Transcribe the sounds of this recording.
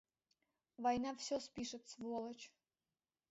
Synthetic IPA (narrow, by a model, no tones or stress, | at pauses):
vɐjnafsʲɔspʲiʂɨt̪svɔlˠət͡ɕ